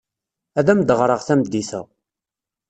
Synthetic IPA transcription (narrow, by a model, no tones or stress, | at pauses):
æðæmd̪əʁɾˤəʁθæmd̪ːiθə̰ʁ